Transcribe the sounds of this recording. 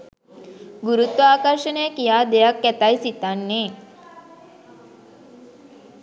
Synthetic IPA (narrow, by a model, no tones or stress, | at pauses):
ɡuɾut̪ʋəaːkɐrʃənəjəkijaːd̪ejakːæt̪ajsit̪anːeː